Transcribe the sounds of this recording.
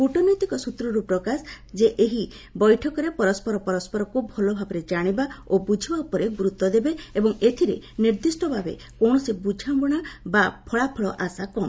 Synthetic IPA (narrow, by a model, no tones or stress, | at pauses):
kuʈɔnɔjt̪ikɔsut̪ɾɔɾupɾɔkas | d͡ʒeʔeɦi | bɔjʈʰɔkɔɾepɔɾɔspɔɾɔpɔɾɔspɔɾɔkubʱɔlɔbʱabɔɾed͡ʒaɽ̃ibaobud͡ʒʱibaupɔɾeɡɾut̪ːɔd̪ebeebɔŋet̪ʰiɾḛniɾd̪isʈɔbʱabḛ | kɔɽ̃ɔsebud͡ʒʱambɔɽ̃abapʰɔɭapʰɔɭɔʔasakɔn